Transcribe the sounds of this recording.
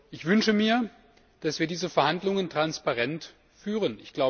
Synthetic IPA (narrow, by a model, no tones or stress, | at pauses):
ʔɪçv̥ʏnʃəmiːɐ | d̥asv̥iːɐdiːzəfɛɐhandlʊŋəntʁ̥anspaʁɛnt | fyːʁənɪçɡ̥laʊ